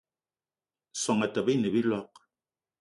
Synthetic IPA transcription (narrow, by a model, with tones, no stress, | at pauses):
sa˨ŋa˨ta˨βi˦nə˨βi˦lɔ˦q̚